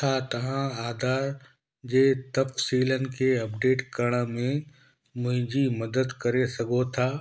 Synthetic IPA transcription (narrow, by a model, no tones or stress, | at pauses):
t̪ʰat̪ɐɦãaːd̪ʱaːɾ | d͡ʒet̪ɐfsiːlənkeɐpɖeːʈkəɾɳ̃ãmẽ | mʊ̃ɦd͡ʒiməd̪əd̪kɐɾesɐɡot̪ʰaː